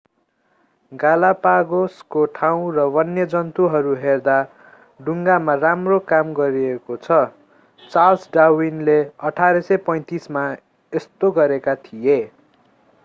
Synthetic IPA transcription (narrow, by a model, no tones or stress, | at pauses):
ɡalapaɡoskoʈʰaw̃rʌwʌnːjʌd͡zʌnt̪uɦʌɾuɦerd̪a | ɖuŋɡamaramrokamɡʌɾiekot͡sʰʌ | t͡salsɖawinleʌʈʰaɾʌsʌjpʌj̃t̪isma | est̪oɡʌɾekat̪ʰije